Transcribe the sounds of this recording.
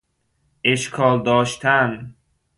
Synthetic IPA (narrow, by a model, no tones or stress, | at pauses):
eʃkʰɒːld̪ɒːʃt̪ʰæn